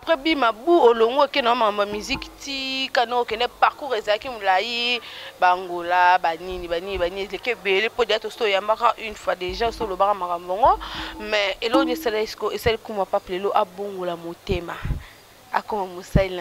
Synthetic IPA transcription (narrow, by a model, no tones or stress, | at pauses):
apʁɛbimabuoloŋɡoekenaomaambamiziktikanaokɛndɛpaʁkuʁezalakimolajibaŋɡolabaninibaninibaniekebelepodatosojambakaʔynfwadeʒãoslobakamakamaŋɡomɛelɔkonsalkisi̥koesalikumapapleloʔaboŋɡolamotema | a̰komamosain